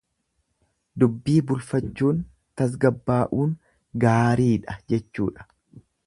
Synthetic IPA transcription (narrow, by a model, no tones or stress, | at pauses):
d̪ʊbːiːbʊlfɐt͡ʃːuːn | t̪ɐs̬ɡɐbːaːʔuːŋ | ɡaːɾiːᶑɐd͡ʒɛt͡ʃːṵːᶑɐ̥